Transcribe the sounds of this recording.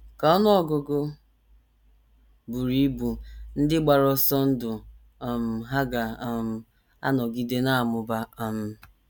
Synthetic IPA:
ka˨ɔ˦nʊ˦ɔ˨ɡʊ˨ɡʊ˦ | bu˨ɾi˦bu˨n̩˦dɪ˦ɡ͡ba˨ɾɔ˦sɔ˦n̩˦dʊ˨ | m̩˨ɦa˦ɡa˨˦m̩˦ | a̰˦nɔ˨ɡi˦de˦na˦a˨mʊ˨ba˦a˦m̩˦

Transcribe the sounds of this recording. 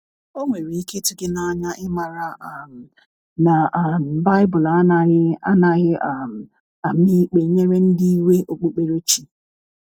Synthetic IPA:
o˦ŋʷe˨ɾi˨i˦ke˦tʊ˨ɡɪ˦na˦˨ɲa˦ʔɪ˦ma˨ɾa˨a˨m̩˨ | na˨m̩˨ba˦ɪ˦bʊ˨la˦na˨ɪ˦a̰˦na˨ɣɪ˦a˨m̩˨ | a˨mi˦k͡pe˨ɲe˦ɾe˦n̩˦di˦i˦we˦ʔo˨k͡po˦k͡pe˦ɾo˦t͡ʃi˨

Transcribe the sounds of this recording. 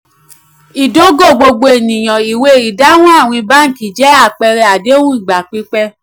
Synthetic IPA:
i˨do˨˦ɡo˦˨ɡ͡bo˧ɡ͡bo˧e˨nĩ˨j̃ɔ̃˨i˨we˧˨i˨da˨˦w̃ɔ̃˦a˦˨w̃ĩ˧ba˦n̩˨˦ki˨d͡ʒɛ˨˦a˦˨k͡pɛ˧ɾɛ˧a˨de˨˦wũ˦i˦˨ɡ͡ba˨k͡pi˦k͡pɛ˦

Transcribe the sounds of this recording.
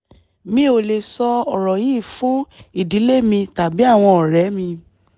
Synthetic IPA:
mĩ˦o˧le˧sɔ˧ɔ˨ɾɔ˨jiː˦˨fũ˨˦i˦˨di˨˦le˦mĩ˧ta˨bi˨˦a˦˨w̃ɔ̃˧ɔ˨ɾɛ˨˦mĩ˧

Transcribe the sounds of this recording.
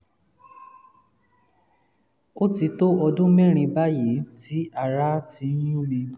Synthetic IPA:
o˦ti˨˧˦to˦ɔ˧dũ˦mɛ˦˨ɾ̃ĩ˧ba˦ji˨˦ti˦a˦˨ɾa˦ti˨˦jũ˦nĩ˧

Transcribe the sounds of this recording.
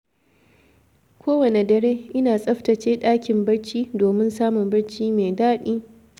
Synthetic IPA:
kʷʰoː˦wɐ˨ne˨dɐ˨ɽeː˦ʔɪ˦naː˨sʼɐ˦ɸtɐ˨t͡ʃeː˦ɗaː˦kʲɪ˨mbɐ˦ɽt͡ʃiː˦doː˨mɪ˦nsaː˦mʊ˨mbɐ˦ɽt͡ʃiː˦meː˨daː˦ɗiː˦

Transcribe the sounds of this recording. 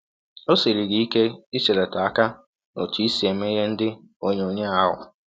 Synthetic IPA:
o˦se˨ɾi˨ɡi˨i˦ke˦i˦t͡ʃe˨le˨ta˨a˦ka˦ | no̰˨tu˨˦i˦si˨e˨m̩˦e˦ɦe˦n̩˦dɪ˦ | o˦ɲe˦o˦ɲe˦a˦ɦʊ̰˨

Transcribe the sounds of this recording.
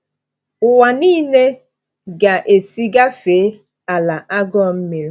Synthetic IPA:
ʊ˨wa˨niː˦ne˦ | ɡa˨ʔe˨si˦ɡa˦feː˨˦ | a˨la˨ʔa˦ɡɔ˦m̩˦me˨ɾe˦

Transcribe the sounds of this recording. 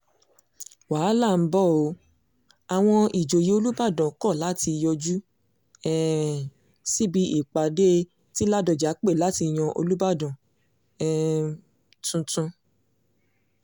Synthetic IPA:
waː˨˦la˦˨m̩˦bɔ˦˨o˨˦ | a˨w̃ɔ̃˧i˨d͡ʒo˨ji˨o˧lu˦ba˦˨dɔ̃˨kɔ˦˨la˨˦ti˧jɔ˧d͡ʒu˦ | ɛ˦ | si˦˨bi˧ʔi˨k͡pa˨de˦ | ti˦la˦˨dɔ˨d͡ʒa˨˦k͡pe˦˨la˦ti˧˨j̃ɔ̃˧ʔo̰˧lu˦ba˦˨dɔ̃˨ | ɛ˦ | tũ˧tũ˧

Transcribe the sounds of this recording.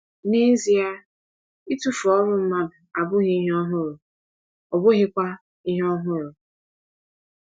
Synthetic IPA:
ne˦zi˨a˦ | i˦tu˦fɔ˦ɾʊ˨m̩˦ma˦bʊ˨a˨bʊ˦ɣi˦i˦ɦe˦ɔ˦ɦʊ˦ɾʊ˨ | ɔ˨bʊ˦ɦɪ˦kʷa˦ | i˦ɦɔ˦ɦʊ˦ɾʊ˨

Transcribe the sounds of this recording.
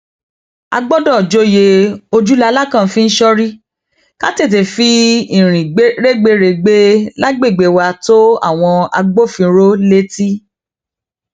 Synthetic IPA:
a̰˧ɡ͡bɔ˦dɔ̃˦˨d͡ʒo˧˦je˧o˧d͡ʒu˦la˧la˦kã˦˨fĩ˦n̩˦ʃɔ˦ɾi˦ | ka̰˦te˦˨t̬e˨fi˧ĩ˦˨ɾ̃ĩ˨ɡ͡be˦ɾe˦ɡ͡be˦ɾe˧˨ɡ͡be˦la˦ɡ͡be˦˨ɡ͡be˨wa˧to˦a̰˦˨w̃ɔ̃˧a̰˧ɡ͡bo˦˨fĩ˧˦ɾo˦le˦ti˦

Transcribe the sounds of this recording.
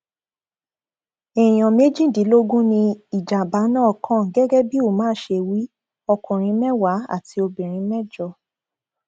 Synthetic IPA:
ɛ˨j̃ɔ̃˨me˦d͡ʒĩ˦˨di˨˦lo˦ɡũ˦nĩ˧i˨d͡ʒa˨ba˨˦nãː˦˨kʰã˦˨ɡɛ˦ɡɛ˦bi˦o˦˨mãː˦ʃe˧˨wi˨˦ | ɔ˧kũ˨ɾ̃ĩ˨˦mɛ̃˦wa˨˦a̰˦˨ti˧o˧bĩ˨ɾ̃ĩ˨˧˦mɛ̃˦d͡ʒɔ˧˨

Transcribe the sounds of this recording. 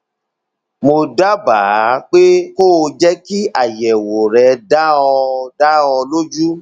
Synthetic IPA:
mo˧da˦baː˨˦k͡pe˦ko˦˨˧d͡ʒɛ˦ki˦a˦˨jɛ˨wo˨ɾɛ˧da˦ɔ̃˧da˦ɔ̃˧lo˦d͡ʒu˦

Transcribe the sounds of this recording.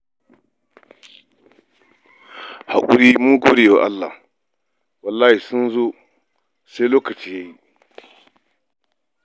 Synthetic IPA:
ha˨kʼʊ˦ɾiː˦mu˦ɡoː˦ɽe˨jwa˦ʔa̰˦lːa̰˨ | wɐ˨lːaː˦hi˨sʊ˦nzo˦ | sa˦jloː˦kɐ˨t͡ʃiː˦jaː˦ji˦

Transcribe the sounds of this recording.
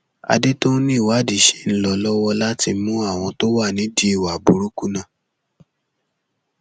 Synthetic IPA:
a̰˧de˦to˦nĩ˦˨wa˨˦˨di˨ʃe̥˨˦n̩˦lɔ˧lɔ˦wɔ˧la˦ti˧˦mũ˦a˦˨w̃ɔ̃˧to˦wa˦˨nĩ˨˦di˦i˦˨wa˨bu˨ɾu˦ku˦nã˦˨

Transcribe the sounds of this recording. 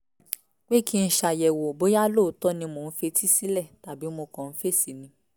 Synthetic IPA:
k͡pe˦kʰi˦n̩˦ʃa˨jɛ˨wo˨bo˦ja˦lo˦˨˦tɔ˦nĩ˧mo˨n̩˦fe˧tʰi˦si˦lɛ˦˨ta˨bi˨˦mo˧kɔ̃˨n̩˦fe˦˨si˨nĩ˧˦

